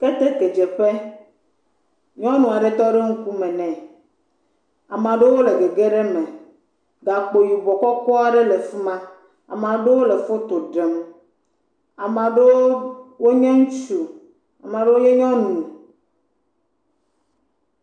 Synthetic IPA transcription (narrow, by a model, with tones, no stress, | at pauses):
ke˦t̪e˦ke˨d͡ʒɛ˨ɸe˦ | ɲɔ̃˦nũ˨a˨ɖe˨t̪ɔ˦ɖe˦ŋ̩˦ku˦mɛ̃˨nɛ̃˨ | a˨mã˨ɖe˦wo˦le˨ɡe˨ɡe˦ɖe˦mɛ̃˨ | ɡa˨k͡po˨ji˨bɔ˨kɔ˦kɔ˦a˨ɖe˦le˨fi˦mã˦ | a̰˨mã˨ɖe˦wo˦le˨fo˦t̪o˨ɖe˨m | a˨mã˨ɖe˦wo˦wo˦ɲɛ̃˦ŋũ˦t͡ʃu˨ | a˨mã˨ɖe˦wo˦ɲɛ̃˦ɲɔ̃˦nũ˨